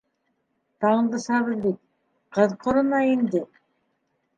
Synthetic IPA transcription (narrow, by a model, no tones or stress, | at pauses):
t̪ɑɴd̪ɤ̆ʃɑβɤ̆ðbit̪̚ | qɤðqʰŏɾɤ̆nɑind̪ɘ